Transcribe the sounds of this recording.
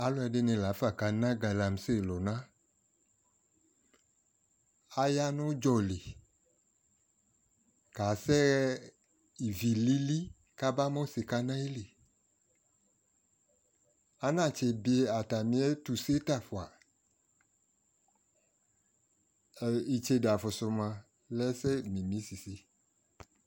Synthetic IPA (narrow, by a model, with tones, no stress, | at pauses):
a˨˦lɔ˧ɛ˨de˦nẽ˧la˨˦fa˦˨ka˨nã˦ɡa˨la˨m˨se˦˨lɔ˨nã˦ | a˨ja˦nõ˦d͡ʒɔ˨le˨ | ka˨sɛ˦ | i˨vi˨li˦li˦ | ka˦ba˦mɔ̃˦se˨ka˧nã˦i˦le˨ | a˦nã˦˨t͡ʃe˧bi˧e˦a˨ta˨mĩ˦ɛ˦tu˨se˦ta˦˨fu˨a˨ | i˨t͡ʃe˧da˨fʊ˨sʊ˧mã˧ | lɛ˦sɛ˦mĩ˨mĩ˨˦si˨si˦